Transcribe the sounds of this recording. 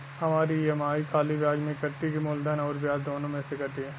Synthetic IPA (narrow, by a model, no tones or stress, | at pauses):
hɐmaːɾijemaːikʰaːlibjaːɡmẽkɐʈːikimoːld̪ənɔːɾbjaːzd̪oːnõmẽsekɐɾʈ̪iɦɛ